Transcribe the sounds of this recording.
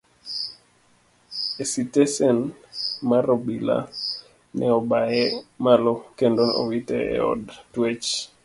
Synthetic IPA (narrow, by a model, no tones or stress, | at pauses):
esitesɛnmaɾobila̰ | nʔɛɔbaɛmalokendono̰witɛɛ̰ɔ̰dtwet͡ʃ